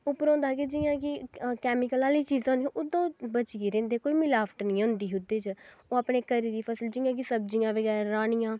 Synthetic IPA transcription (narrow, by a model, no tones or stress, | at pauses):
ʊpɾõːnd̪aːkeːd͡ʒɪjãːkɪkɛːmɪkəlaːliːt͡ʃiːzõːnd̪ijãʔʊd̪õːbət͡ʃːɡiɾẽːnd̪eːkoːiːmɪlaːpʰʈnĩːʊnd̪iːɦʊd̪eːt͡ʃoːapɽ̃eːkəɾiːd̪iːpʰəsəld͡ʒɪːãːk̬isəb̚d͡ʒijãːʋəɡɛːɾaaːɽ̃ijãː